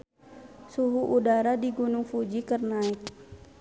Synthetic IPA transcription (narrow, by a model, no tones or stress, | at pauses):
suɦuʔudaɾadiɡunuŋfud͡ʒikərnaik̪̚